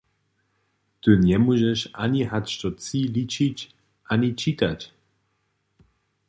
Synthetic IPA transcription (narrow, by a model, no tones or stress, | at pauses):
t̪ɨnɛmuʒɛʃʔaɲiɦat͡ʃt̪ɔt͡silit͡ʃic | ʔaɲit͡ʃit̪ac